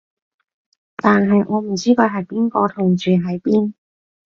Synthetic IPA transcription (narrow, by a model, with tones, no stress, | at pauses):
t̪aː˨nɦɐ˨jŋɔː˨˧m̩˨˩t͡siː˥kɔ˧ɦɐ˨jpiː˥nkɔː˧t̪ʰʊ˨˩ŋt͡ʃyː˨ɦɐ˨˩jpiː˥n